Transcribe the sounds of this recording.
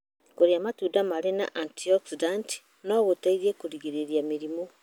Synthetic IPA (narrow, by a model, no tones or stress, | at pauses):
koɾeamatuːdamaɾena̰ʔantiɔksidanti̥ | noβotaiɾiekoɾiɣeɾeɾjamiɾimo